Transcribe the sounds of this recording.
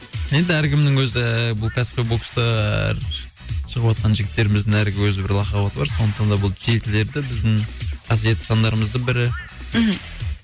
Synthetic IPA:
je̞nd̪ɪæɾkʲɪmd̪ɪŋwɵzɪbʊlˠkʰʲɑspʲebokst̪ɑ̰ɾ | ʃəʁəpwot̪̚qɑnʒɪɡʲɪt̪ːe̞ɾɪmɪzd̪ɪŋæɾɡʲɪwɵzɪbɪɾlˠɑqɑwɑt̪əbɑɾso̞nd̪əqt̪ɑnd̪ɑbʊlˠʒek̪ʲɪle̞ɾd̪ɪbɪzd̪ɪŋqʰɑs̬je̞t̪ɪ̥sɑnd̪ɑɾəməzd̪əŋbɪɾɪ

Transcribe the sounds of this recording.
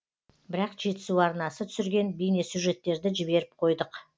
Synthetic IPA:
bɪɾɑqʒe̞t̪ɪ̥suɑɾnɑsət̪ʰʏ̥sɪɾɡʲe̞nbijnesuʒe̞t̪ːe̞ɾd̪ɪʒɪbe̞ɾɪp̚qʰo̞jd̪əq

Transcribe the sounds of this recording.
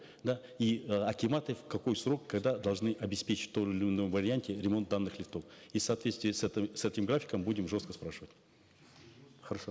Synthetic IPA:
d̪aiɐkʲɪmat̪ɨfkɐko̞jsro̞kːɐɡd̪ad̪ɐlˠʐnɨʔɐbʲɪspʲet͡ɕɪ̥tʲt̪oɪlʲɪɪnojvɐɾʲɪanʲtʲɪɾʲɪmo̞nt̪d̪anːɨxlʲɪft̪o̞fisɐːt̪vʲet̪st̪vijəsɛt̪sɛt̪ʲɪmɡɾafʲɪ̥kəmbudʲɪmʐo̞st̪kəspɾaʂɨvətʲ | χəɾɐʂo

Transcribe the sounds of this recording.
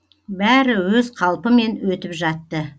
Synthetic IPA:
bæɾɪwɵzqʰɑlˠpəme̞nwɵt̪ɪpʒɑt̪ːə

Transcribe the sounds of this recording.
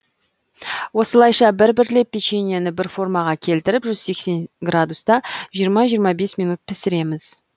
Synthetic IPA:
wo̞səlˠɑjʃɑbɪɾbɪɾle̞pʲːit͡ʃenʲijanɪbɪɾfo̞rmɑʁɑkʲʰe̞lt̪ɪɾɪpʒʏz̥se̞kse̞nɡrad̪ust̪ɑʒijəɾmɑʒijəɾmɑbe̞smʲijnut̪̚pʰɪsɪɾe̞mɪz̥

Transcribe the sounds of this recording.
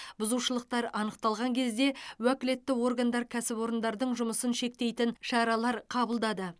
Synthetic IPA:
bʊzuʃəlˠəq̚t̪ɑɾɑnəq̚t̪ɑlˠʁɑŋkʲʰe̞zd̪e̞wækʲɪle̞t̪ːɪwo̞rɡand̪ɑɾkʲʰæsɪpo̞ɾənd̪ɑɾd̪əɴʒʊməsənʃe̞k̚t̪e̞jt̪ɪnʃɑɾɑlˠɑɾqʰɑbəlˠd̪ɑd̪ə

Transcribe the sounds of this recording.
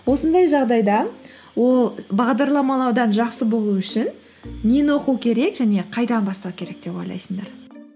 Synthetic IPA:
wo̞sənd̪ɑjʒɑʁd̪ɑjd̪ɑ | wo̞lˠbɑʁd̪ɑɾlˠɑmɑlˠɑwd̪ɑnʒɑqsəbo̞lˠuʏʃɪnː | enwo̞qukʲʰe̞ɾe̞kʒæne̞qʰɑjd̪ɑnbɑst̪ɑwkʲʰe̞ɾe̞k̚d̪e̞po̞jlˠɑ̰jsəɴd̪ɑɾ

